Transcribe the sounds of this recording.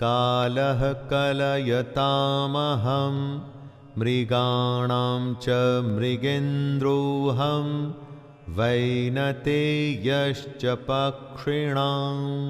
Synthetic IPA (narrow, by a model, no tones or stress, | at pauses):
kaːlɐɦɐkɐlɐjɐt̪aːmɐɦɐmː | ɾiɡaːɳaːmt͡ʃɐmɾiɡend̪ɾuːɦɐm | ʋɐjnɐt̪eːjɐʃt͡ʃɐpɐkʂiɳaː